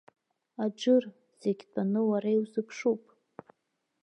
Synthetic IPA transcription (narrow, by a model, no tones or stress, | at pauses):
ad͡ʒɨr | z̥eɡʲtʼanɨwaɾaiwzɨpʰʂupʼ